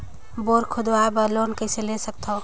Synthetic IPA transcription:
boːɾkʰʊd̪oabəloːnkəɪselesək̚t̪o

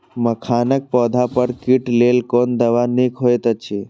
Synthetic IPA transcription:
məkʰaːnək̚pɔːd̪ʱapəɾkiʈleːlkond̪ɐʋanikʰɦojt̪ət͡ʃʰe

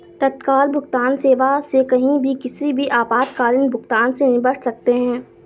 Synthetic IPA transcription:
t̪ɐt̪kaːlbʱʊɡt̪aːnseːʋasekɐɦĩbʱikɪsibʱiʔaːpaːt̪kaːɾɪnbʱʊɡt̪aːnsenɪbəʈʰsɐk̚t̪eɦɛ̃ː

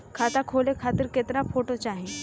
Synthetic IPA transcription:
kʰat̪akʰolekʰat̪iɾket̪əɾafʰoʈot͡ɕaːɦi

